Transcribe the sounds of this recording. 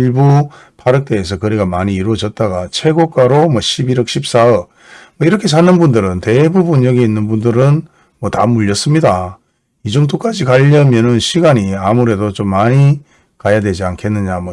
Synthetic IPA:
ɭbu | pʰaɾɯk̚t͈e̞ːs̬ʰʌkɯɾeɡamaɲiːɾwʌd͡ʑʌt̚t͈aɡat͡ɕʰe̞ɡok͈aɾomwʌɕʰibiɾʌk̚ɕʰip̚s͈aʌ | mwʌiɾʌkʰe̞sʰanːɯnbundɯɾɯnte̞bubunjʌɡe̞inːɯnbundɯɾɯn | mwʌtamuʎːʌs͈ɯmɲida | id͡ʑoŋdok͈ad͡ʑikaʎːʌmjʌnɯnɕʰiɡaɲiamuɾe̞dot͡ɕomːaɲi | kajadwe̞d͡ʑiankʰe̞nːɯɲamwʌ

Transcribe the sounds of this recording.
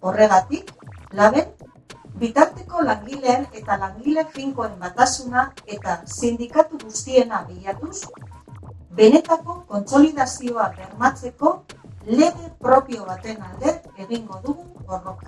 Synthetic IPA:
o̞re̞ɣ̞at̪iklaβe̞n | bit̪aɾt̪e̞ko̞laŋɡile̞ːne̞t̪alaŋɡile̞fiŋko̞e̞mbat̪asunae̞t̪asind̪ikat̪uɣust̪ie̞naβeʎat̪us | be̞ne̞t̪ako̞ko̞nt͡so̞lið̞asio̞aβe̞ɾmat͡se̞ko̞le̞ɣe̞pɾo̞pio̞β̞at̪e̞nald̪e̞ɾe̞ɣiŋɡo̞ðuɣuɣo̞rokḁ

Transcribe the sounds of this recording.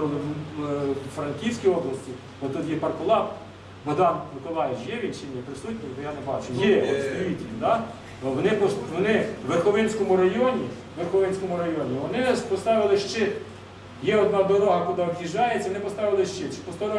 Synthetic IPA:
lˠɪ | fɾɐnkʲiwsʲkʲijɔblˠɐsʲtʲi | bɔt̪ʊt̪jɛpɐrkɔlˠɑp | bɐd̪ɑnnɪkɔlˠɑjet͡ʃjɛʋʲinʲʃɪnʲːɐpɾɪsutʲnʲibɔjanɛbɑt͡ʃʊjɛɔsp̪ʋʲitʲd̪ɑ | ʋɔnɪpɔʋɔnɪʋerxɔʋɪnʲsʲkɔmʊɾɐjɔnʲi | ʋerxɔʋɪnʲsʲkɔmʊɾɐjɔnʲiʋɔnɪpɔst̪ɑʋɪlˠɪʃt͡ʃɪ | jɛɔd̪nɑd̪ɔɾɔɦɐkʊd̪aɔbjiʒɑjet͡sʲɐʋɔnɪpɔst̪ɑʋʲɪlˠɪʃt͡ʃɪt͡ʃɪ̥pɔst̪aɾ

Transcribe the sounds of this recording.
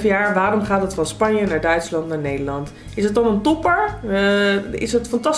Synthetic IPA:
fəjaːɹʋaːɾɔmχaːtətfɑnspɑnjənaːɹdœɥtslɑntnaːɹnejdəɹlɑnt | ɪsət̚ɑnəntɔpəɹ | ɪ̰sətfɑntɑ

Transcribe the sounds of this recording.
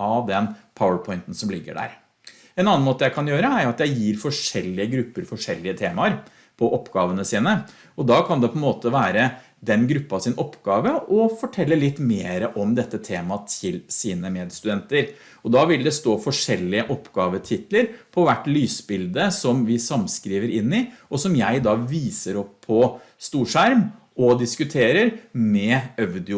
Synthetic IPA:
ɑʋd̪ɛnpʰaʊəpʰɔʏnt̪n̩sɔmlɪɡːə̰ɖæ̰ːɾ | ɛnɑnɑnmoːt̪əjæɪkʰɑnjøːɾəæɾjʊɑt̪jæɪjiːɾfɔʂɛlːɪəɡɾʉpːəɾfɔʂɛlːɪət̪ʰeːmɑəɾ | pʰɔʔɔpːɡɑːʋənəsiːnə | ɔd̪ɑkʰɑnd̪ɛpʰɔɛnmoːt̪əʋæːɾə | d̪ɛnɡɾʉpːɑʋsɪnʔɔpːɡ̥ɑːʋəʔɔfɔʈʰɛlːəlɪt̪ːmeːɾəʔɔmd̪ɛt̪ːət̪ʰeːmɑt̪ʰɪlsiːnəmeːd̪st̪ʉd̪ɛnt̪əɾ | ɔd̪ɑʋɪld̪ɛst̪oːfɔʂɛlːɪəʔɔpːɡɑːʋət̪ʰɪt̪ləɾpʰɔʋæʈːlyːsbɪld̪əsɔmʋɪsɑmskɾiːʋəɾɪnːɪʔɔsɔmjæɪd̪ɑːʋiːsəɾɔpʰːɔst̪uːʂæɾm | ʔɔd̪ɪskʉt̪ʰeːɾəɾmɛœʋd̪ɪ

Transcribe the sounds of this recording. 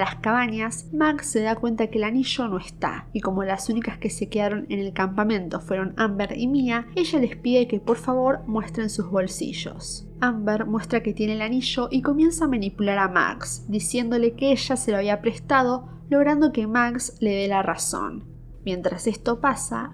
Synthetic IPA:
laskaβaɲasmaksːe̞ðakwe̞nt̪akeːlaniʒo̞noest̪a̰iko̞mo̞lasunikaske̞se̞ke̞ðaɾo̞nḛne̞lkampamẽ̞nt̪o̞fwe̞ɾo̞nambeɾḭmiae̞ʒalespiðe̞ke̞po̞ɾfaβo̞ɾmwe̞st̪ɾe̞nsuzβo̞lsḭʒo̞̰s | ambeɾmwe̞st̪ɾake̞t̪je̞neːlaniʒo̞ʔiko̞mje̞nsaːmanipulaɾama̰ksd̪isje̞nd̪o̞le̞keeʒaseloaβ̞iapɾest̪að̞o̞ | lo̞ɣɾand̪o̞ke̞maksle̞ðelaraso̞̰n | mje̞nt̪ɾase̞st̪o̞pasa̰

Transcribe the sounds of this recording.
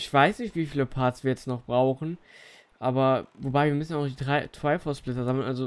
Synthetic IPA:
ɪçv̥aɪsnɪçtv̥iːfiːləpʰaːɐtsv̥iːɐjɛt͡stnɔχb̥ʁaʊxn̩ | ʔaːbɐvobaɪviːɐmʏsn̩jaʊʊxd̥iːdʁaɪtv̥aɪfɔsplɪtɐzaml̩nʔalzo

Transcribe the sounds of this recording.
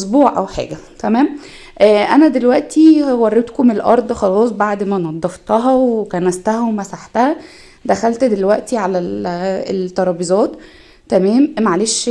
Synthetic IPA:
ʔosbuːʕʔæ̰wħa̰ːɡæt̪æmæːm | ʔːʔænæd̪elwæʔt̪ʰiwɑrˤːet̪komelʔɑ̰ɾˤd̪ˤxɑlɑːsˤbaʕd̪mænɑd̪ˤːɑft̪ɑɦɑwekænæst̪æhæwemæsaħt̪æhæ | d̪æxælt̪d̪elwæʔt̪iʕalæet̪ːɑɾˤɑːbizˤɑːt̪ː | æmæːmmæʕaleːʃ

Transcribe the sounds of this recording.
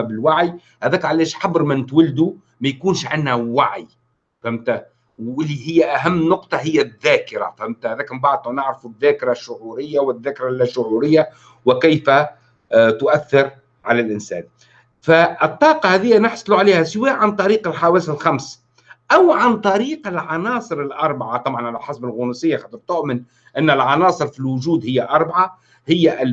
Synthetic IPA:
bɪlwaʕj | hæðæːkʕalæːʃħabɾmɪnɪt̪wald̪u | mæjkuːnʃʕɪnhæwaʕj | θæmt̪æ | wɪlːihɪjːæʔæɦæmːnʊqt̪ˤɑɦɪjːæðːæːkɪɾa̰fæmt̪æhæðæːkmbaʕd̪̚nunɪʕɾɪfuðːæːkɪɾaʃːʊʕuːɾɪjːawɪðːæːkɪɾɑlʃʊʕuɾɪjːa | wɪkæjfæ | t̪ʊʔæθːɪɾ | ʕalælʔɪnsæ̰ːn | fæɨt̪ˤːɑːqɑhæːðɪjːænɪħsˤluʕaleːhæsɪwæːʔʕant̪ˤɑɾiːqɪlħawæːsɪlxams | ʔawʕant̪ˤɑɾiːqɪlʕɑnɑːsˤɨɾɪlʔɑɾˤbaʕat̪ˤɑbʕɑnʕalælħasbɪlɣʊnusɪjːaxɑt̪ˤiɾt̪ʊʔmɪn | ʔɪnːɪlʕɑnɑːsˤɨɾfilwʊʒuːd̪hɪjːaʔɑɾˤbaʕa | hɪjːæʔ

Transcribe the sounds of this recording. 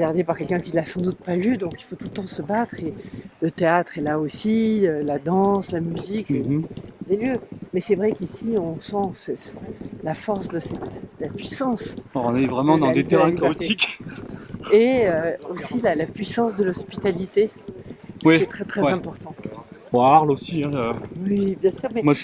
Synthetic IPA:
əɡaʁd̪epaʁkʲɛlkʲɛ̃kʲilasɑ̃d̪ut̪̚palyd̪ɔ̃kilfot̪ult̪ɑ̃səbat̪χelət̪eat̪χɛlaosiølad̪ɑ̃slamyzikeleljømɛsɛvʁɛkisiɔ̃sɑ̃sɛɛlafɔʁsd̪əsɛt̪lapɥisɑ̃sɔ̰̃nɛvʁɛmɑ̃d̪ɑ̃d̪et̪eʁɛ̃ikaot̪ik | eøosilalapɥisɑ̃sd̪əlɔspi̥t̪alit̪e | wiɛt̪χɛt̪χɛwzɛ̃pɔʁt̪ɑ̃oaʁlosiɛ̃øwibjɛ̃syːʁmɛmwa

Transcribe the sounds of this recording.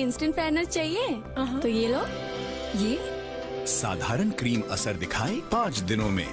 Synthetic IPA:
ɪ̃nsʈə̃ɳʈpɛːɾnəzt͡ʃaːɦie | ɦ̪ojeːloːɡ | d͡ʒiː | sa̰ːd̪ʱaːɾənkɾiːmɐsəɾd̪ɪkʰaːepãːt͡ʃd̪ɪnõmḛ̃

